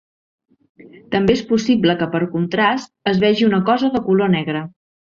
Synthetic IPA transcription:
t̪əmbeespusibləkəpəɾkunt̪ɾast̪əzβɛʒiunəkɔzəðəkulonɛɣɾə

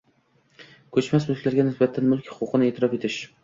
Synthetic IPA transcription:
kʲʰɵt͡ʃmasmʊlˠkʲlaɾɡʲanɪsbat̪ʰːanmʊlkʲhʊ̥qʰʊqʰɨnɪet̪ʰɪɾɒfe̞t̪ʰɪʃ

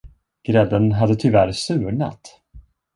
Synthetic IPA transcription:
ɡ̥ɾɛd̪ənɦad̪ət̪ʰʏvæɾsʉ̟ːɳa̰t̪

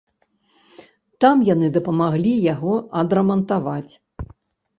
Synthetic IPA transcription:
t̪amjanɨd̪ɐpɐmaɣlʲijaɣɔɐd̪ɾɐmɐnt̪avat͡sʲ

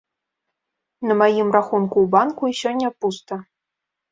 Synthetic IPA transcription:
nɤ̆majimraxunkuːbɑnkuiɕonʲːepust̪ɤ̆

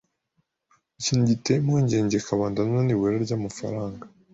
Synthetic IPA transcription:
iciːnuɟitemoːɲɟe̞ːɲɟe̞kaβaːndannoniweɾaɾɟamafa̰ɾaːŋɡa

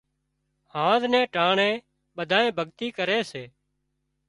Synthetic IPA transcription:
hãːznɛ̃ːʈaːɳẽː | ɓəd̪ʱaːẽːbʱəɡt̪iːkəɾeːseː

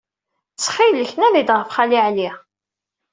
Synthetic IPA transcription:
t͡sːχilːəçnæðid̪ʁəfχaliʕli

